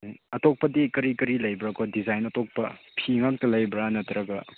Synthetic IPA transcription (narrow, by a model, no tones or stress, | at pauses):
ɐtok̚pɐdikɐɾikɐɾilɐjbɾakɔdizajnɐtok̚pɐpʰiŋak̚tɐlɐjbɾanɐt̪ɾɐɡɐ